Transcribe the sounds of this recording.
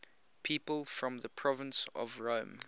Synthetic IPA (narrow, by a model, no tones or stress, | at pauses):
pʰipəlˠfɹɔ̃mðəpʰɹ̥ɔvə̃nsɔ̰vɹõʊ̃m